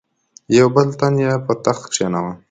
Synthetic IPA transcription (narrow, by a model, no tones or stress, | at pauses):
jawbəlt̪anjapət̪axkʂanawa